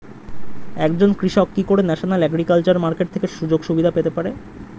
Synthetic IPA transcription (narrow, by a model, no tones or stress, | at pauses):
ɛkd͡ʑonkɾiʃɔkːikoɾenɛʃonalɛɡɾikalt͡ɕaɾmaɾkeʈ̚t̪ʰekeʃud͡ʑoɡʃubid̪ʱapet̪epaɾe